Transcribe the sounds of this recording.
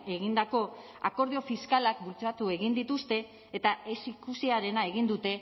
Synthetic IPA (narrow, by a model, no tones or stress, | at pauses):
e̞ɣind̪ako̞ | a̰ko̞ɾð̞io̞fiskalakbult͡sat̪ue̞ɣind̪it̪ust̪e̞ː | t̪aesikusiaɾe̞nae̞ɣind̪ut̪e̞